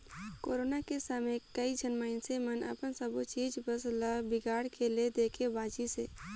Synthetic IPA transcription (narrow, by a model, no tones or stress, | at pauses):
koːɾoːnakesaːmekəid͡ʒʱənmaːɪnsemənə̰pənsəbut͡ʃiːd͡ʒbəslabɪɡaːɽkʰeled̪eːkʰebaːd͡ʒiseː